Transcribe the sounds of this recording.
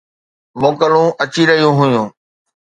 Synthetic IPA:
moːkəlũʔɐt͡ɕiɾɐɦijũɦʊjũː

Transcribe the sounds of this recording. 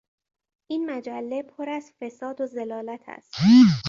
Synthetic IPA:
ʔiːnmæd͡ʒælːe̞pʰoɾæzfe̞sɒːd̪oze̞lɒːlæt̪ʰæ̰st̪il

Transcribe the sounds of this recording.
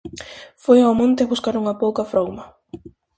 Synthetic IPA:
fojoamõnt̪ɪβuskaɾuŋɐpowkɐfɾowmɐ

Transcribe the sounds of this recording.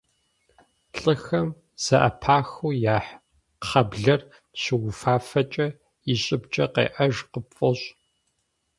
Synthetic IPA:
ɬʼɨxɐm | z̥ɐʔɐ̰pʰaːxuːjaːħ | χɐbɮɐr | ɕɨwʊfaːfɐt͡ʃʼɐ | ɪɕʼɪbt͡ʃʼɐqḛːʔɐʒqəpfʼɐɕʼ

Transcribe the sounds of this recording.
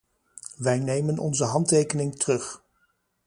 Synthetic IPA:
ʋɛjnejmənʔɔ̰nzəɦɑntejkənɪŋtərɵχ

